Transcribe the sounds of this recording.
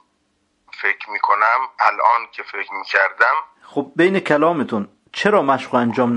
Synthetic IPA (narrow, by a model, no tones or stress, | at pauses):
fekʰɾmiːkʰonæmælʔɒːnkʰefekɾmiːcʲʰæɾd̪æm | xob̚bejnekʰælɒːmet̪ʰun | t͡ʃʰeɾɒːmæʃɢoænd͡ʒɒːmn